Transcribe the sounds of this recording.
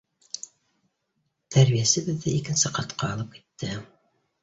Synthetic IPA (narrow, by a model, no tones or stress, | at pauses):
t̪ʰæɾβijæsɘ̆βɘ̆ðːɘʔikɘ̆nsɘqɑt̪qɑːlˠɤp̚ki̥t̪ːɘ